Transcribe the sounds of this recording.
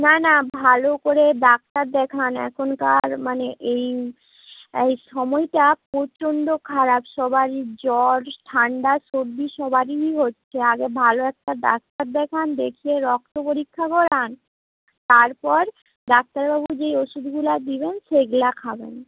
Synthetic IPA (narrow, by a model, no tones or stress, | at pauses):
nanabʱalokoɾeɖak̚t̪aɾd̪ɛkʰanɛ̰kʰonkaɾmaneʔej | ejʃɔmɔjʈapot͡ɕonɖokʰaɾabʃɔbʱaɾid͡ʑɔlʈʰaɳɖaʃoɾd̪iʃɔbʱaɾiɦotːɕʰeaɡebʱaloɛk̚ʈaɖa̰k̚t̪aɾd̪ɛkʰand̪ekʰieɾɔk̚t̪opoɾikʰːakɔɾan | t̪aɾpɔɾ | ɖak̚t̪aɾbabud͡ʑejoʃud̪ʱɡulad̪iβenʃeɡlakʰabḛn